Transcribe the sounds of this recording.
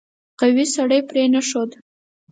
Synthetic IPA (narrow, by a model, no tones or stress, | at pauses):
qawisaɽəjpɾenaʂod̪